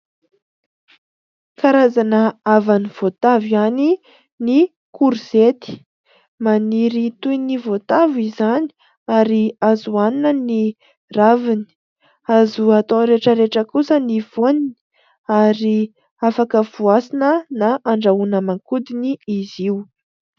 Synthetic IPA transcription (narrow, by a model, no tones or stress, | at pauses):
kaɾazanəavaniv̥ot̪aviani | ni | kʰuɾuz̥et̪i̥ | maniɾit̪ujnivot̪avizani̥ | aɾiazuanunəni | ravini̥ | azuat̪õɾeʈ͡ʂəɾeʈ͡ʂəkusəniv̥onini̥ | aɾi | afakəvuasinənaʔaɳɖ͡ʐaunəmaŋkud̪iniiziu